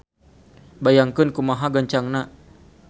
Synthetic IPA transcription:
bajaŋkɨnkumaɦaɡaɲt͡ʃaŋna

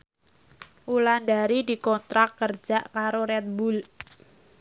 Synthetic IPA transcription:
ʔulandaɾidikɔnt̪ɾakːərd͡ʒaʔkaɾoɾɛt̪̚bul

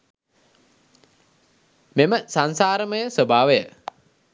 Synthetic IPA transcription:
meməsansaːɾəməjəsəbʱaːʋejə

